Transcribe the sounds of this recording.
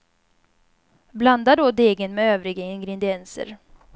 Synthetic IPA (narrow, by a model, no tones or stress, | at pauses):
bland̪ad̪od̪eːɡənmɛøːvɾɪɡaɪŋɡɾɛd̪ɪɛnsə̰ɾ